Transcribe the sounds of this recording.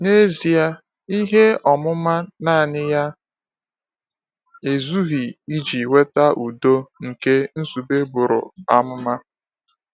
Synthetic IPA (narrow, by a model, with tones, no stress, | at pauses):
ne˦zi˨a˦ | i˦ɦe˦ɔ˨mʊ˦ma˦naː˦˨nɪ˦ja˦ | e˨zu˦ɦi˨i˦d͡ʒi˨we˦ta˦ʔu˨do˦ŋ̩˨ke˦n̩˦su˨be˦bʊ˨ɾʊ̰˨a˦mʊ˦ma˦